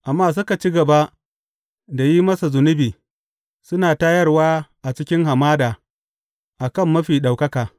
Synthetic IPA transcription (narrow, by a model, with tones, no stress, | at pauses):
ʔa˨mːaː˦s̬ʊ˦ka˨t͡ʃi˦ɡɐ˨ba˦ʔ | da˨jiː˦mɐ˦sa˨zʊ˨nʊ˦biː˨ | sʊ˦naː˨ta˦jɐ˦rwaː˦ʔa˨t͡ʃɪ˦kʲɪ˦ŋɦa˨maː˦daː˨ | ʔa˨kɐ˦˨mːɐ˦ɸiː˨ɗa˨wkɐ˦kaː˨